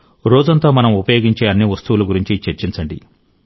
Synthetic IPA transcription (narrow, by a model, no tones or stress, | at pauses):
ɾɔːd͡ʒɐnt̪oːmɐnɐmupɐjoːɡiɲt͡ʃeːɐnːiʋɐst̪uʋuluɡuɾiɲt͡ʃit͡ʃeɾt͡ʃint͡ʃɐɳɖḭ